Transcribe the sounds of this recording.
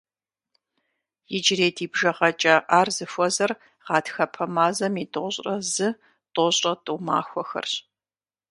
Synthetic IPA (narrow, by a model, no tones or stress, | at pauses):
jɪd͡ʒɪreːdiːbʒɐʁɐt͡ʃʼɐʔaːrzɨfʷɔzɐr | ʁɑːtxɐpʰɐmaːzɐmitʼoɕʼrɐzɨ | tʼoɕʼɐtʼuma̰ːxʷɔxɐ̰rɕ